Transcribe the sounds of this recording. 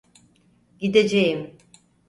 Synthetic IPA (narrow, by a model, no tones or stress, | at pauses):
ɟid̪ed͡ʒejim